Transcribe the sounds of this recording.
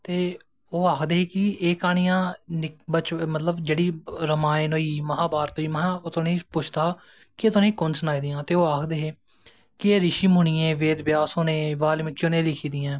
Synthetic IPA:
t̪eː | oːaːkʰd̪eːɦeːkɪeːkaːɽ̃ijãːnɪkbət͡ʃmət̪ləbd͡ʒeːɽiːɾəmaːenoːiːməɦãːbaːɾt̪oːiːməɦãːot̪onẽːpʊt͡ʃʰt̪aː | kɪet̪onẽːiːkʊnsnaːiːd̪ɪjãːt̪eːoːaːkʰd̪eːɦeː | kɪeːɾɪʃiːmʊɳ̃iːẽːʋeːd̪bɪjaːsoːnẽːʋaːlmɪkːoːnẽːlɪkʰiːd̪ɪjãː

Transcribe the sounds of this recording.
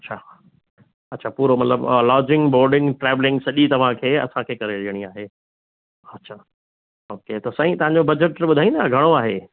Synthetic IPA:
ɐtːɕʰa | ɐtːɕʰaːpuːɾomɐt̪ləblɔːd͡ʑɪ̃ŋɡboːɾɖɪ̃ŋɡʈɾɛːʋlɪ̃ŋɡsɐʄit̪ɐʋ̤ãkʰeːɐ̰sãkʰeːkɐɾeliəɽ̃iaːɦeː | ɐtːɕʰaː | oːket̪osɐ̃ɦĩt̪ɐʋ̤ɦãɲ̆d͡ʑobɐd͡ʑəʈɓʊd̪ʱaːĩnd̪ɐɡʱɐɽ̃oaːɦeː

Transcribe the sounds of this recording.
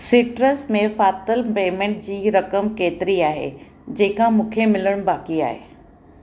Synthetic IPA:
sɪːʈɾəsmẽfaːt̪əlpeːmẽːɳʈ̚d͡ʑiːɾɐkəmkeːt̪ɪɾiaːɦḛ | d͡ʑeːkʰãmũːkʰemɪləɽ̃baːkia̰ːɦḛː

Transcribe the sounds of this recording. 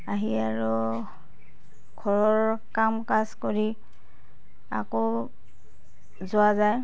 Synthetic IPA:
aɦiaɹu | ɡ̥ʱɔɹɔɹkamkazkoɹi | a̰ko | zʊazaj

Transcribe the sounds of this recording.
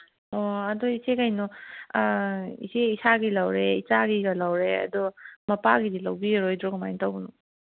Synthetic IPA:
ɔɐdɔisekajnɔ | ḭseisaɡilawɾeit͡ʃaɡiɡɐlawɾeɐ̰dɔmɐpaɡidilawbiɾojdɾɔɡɐmajntawbunɔ

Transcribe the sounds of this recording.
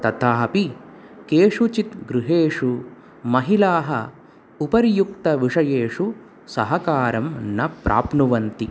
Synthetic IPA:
t̪ɐt̪ʰaːpi | keːʂut͡ʃit̪ɡɾuɦeːʂu | mɐɦilaːɦɐ̰ | upɐɾjuk̚t̪ɐʋiʂɐjeːʂu | sɐɦɐkaːɾɐmnɐpɾʔa̰ːpnuʋɐnt̪i

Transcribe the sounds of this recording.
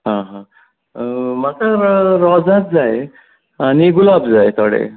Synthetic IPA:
ɦãɦã | makaɾɔd͡zãt̪̚d͡zaj | aniɡulabd͡zajt̪ɔɽḛ

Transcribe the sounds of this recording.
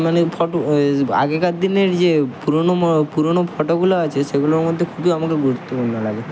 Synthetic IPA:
manepʰɔʈoa̰ɡekad̪ineɾd͡ʑepuɾonopuɾonopʰɔʈoɡuloat͡ʃʰeʃeɡuloɾmod̪ʱːekʰubiamakeɾɡuɾut̪ːopuɽnolaɡe

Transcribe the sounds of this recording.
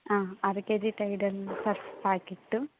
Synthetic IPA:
aːɐɾked͡ʒiʈɐjɖɐlsɐɾfpaːkiʈːu

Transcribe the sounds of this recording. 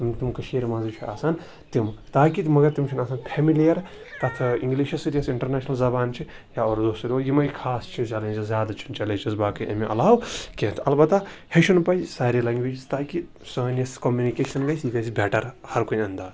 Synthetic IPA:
t̪mt̪imkɐʃiːɾmɐzit͡ʃʰua̰ːsan | t̪imt̪aːkit̪mɐɡɐɾt̪imt͡ʃʰunɐːsanpʰemilijɐɾ | t̪ɐt̪ʰiŋɡliːʃɐsiʈ̪ijɐsiɳʈɐɾneːʃʰnɐlzɐbaːnt͡ʃʰi | jaoːɾd̪oːsɾʲojimɐjikʰaːst͡ʃʰizt͡ʃɐlẽnʲd͡ʒɐzʲjaːd̪at͡ʃʰunt͡ʃɐlet͡ʃizbaːkɐjʔɐ̰miʔɐ̰laːwkʲet̪ʰɐlbɐt̪aheʃʰunpɐjsaːɾilɐŋɡʋed͡ʒist̪aːki | sɐːnjɐskomjunikeːʃɐnɡɐjsiʋʲesibɛːʈɐɾhɐɾkoiɐnd̪aː

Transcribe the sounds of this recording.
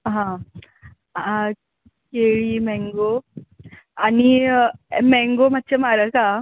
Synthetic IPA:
ɦã | a | keɭimɛ̃ŋɡo | ani | mɛŋɡomat̪̚ːt͡ɕʰemaɾəka

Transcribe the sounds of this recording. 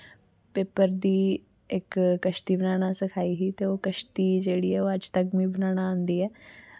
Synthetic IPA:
peːpəɾd̪iː | ɪkːəʃt̪iːbənaːɽasɪkʰaːiːɦiːt̪eoːkəʃt̪iːd͡ʒeːɽiːɛːoːəd͡ʒt̪əkmĩːbənaːñaə̃ːnd̪iːɛː

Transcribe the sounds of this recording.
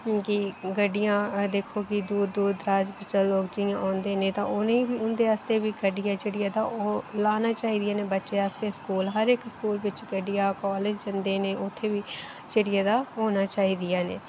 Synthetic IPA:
kiɡəɖːɪjãːd̪eːkʰoːɡid̪uːɾːuːd̪ɾaːd͡ʒbɪt͡ʃəloːk̚d͡ʒɪɪjãːʔãːnd̪eːnẽːt̪ãːʊnẽːibiːʊnd̪eːaːst̪eːʋiːɡəɖɪjãːd͡ʒɪɽɪjaːd̪aːoːlaːnaːt͡ʃaːɦiːd̪ɪjaːneːbətːʃeːaːst̪eːskuːlɦəɾɪkskuːlʋɪt͡ʃɡəɖijaːkɔːlɪd͡ʒd͡ʒɪnd̪eːnẽːʔʊt̪ʰːeːʋiː | t͡ʃɪɽɪjaːd̪aːɦoːnaːt͡ʃaːɦiːd̪ɪjaːnḛː

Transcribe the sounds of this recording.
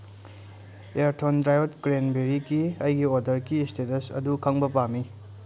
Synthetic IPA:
eɾtʰondɾajotɡɾenbeɾikiɐjɡiodɐɾkistetɐsɐ̰dukʰɐŋbɐpami

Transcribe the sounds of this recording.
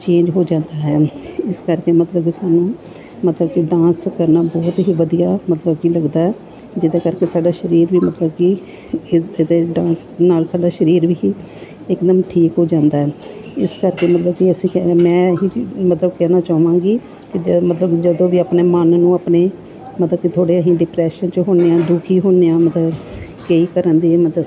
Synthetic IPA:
t͡ʃẽːɲd͡ʒɦoːd͡ʒãːnd̪aːɦɛːɪskəɾkeːmət̪ləb̚kisaːnũː | mət̪ləbkɪɖãːnskəɾnaːbɔːt̪ɦiːʋəd̪ijaːmət̪ləb̚kiːləɡd̪aːɦɛː | d͡ʒɪd̪eːkəɾkeːsaːɖaːʃəɾiːɾʋiːmət̪ləbki | d̪eːɖãːns | naːlsaːɖaːʃəɾiːɾʋiːiː | ɪkd̪əmʈʰiːkɦoːd͡ʒãːnd̪aːɦɪskəɾkeːmət̪ləb̚kiəsĩːkɛmɛ̃ːɦimət̪ləbkɛːnaːt͡ʃaːʋãːɡiː | kɪd͡ʒmət̪ləbd͡ʒəd̪õːʋiːaːpneːmənnũːaːpneː | mət̪ləbkit̪ʰoːɽeːəɦĩːɖɪpɾɛːʃənt͡ʃɦoːneːãːd̪ʊkʰiːɦoːnːeːãːmət̪ləb | keːiːkəɾənd̪iːmət̪lə

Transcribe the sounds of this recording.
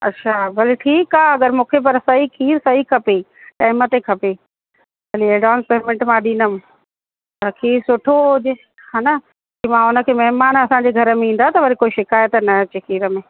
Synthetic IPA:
ɐ̰tːʃʰaːbʱɐliʈʰiːkaːeɐɡəɾmũːkʰep̬ɐɾsɐɦikʰiːɾsɐɦikʰɐpe | ʈaːɪmət̪ekʰɐpe | bɐlieɖãːnspeːmɪ̃ɳʈmãɗĩːnəm | pɐɾkʰiːɾsʊʈʰoʊʄ | haːna | kimãʊnə̆kʰeːmɐɦɪmaːnɐsãɲd͡ʑeɡʱɐɾəmẽĩːnd̪aːt̪ɐʋɐɾikoːiʃɪkaːjət̪nɐt͡ɕekʰiːɾəmẽː

